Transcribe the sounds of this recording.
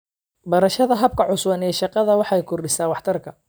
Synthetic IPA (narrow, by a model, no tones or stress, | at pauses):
bɐɾɐʃɐðɐɦɐb̚kʰɐʕʊswɐnɛːʃɑqɑðɐwɑħɑjkʰʊrɖɪsaːwɑħt̪ʰɐrkʰɐ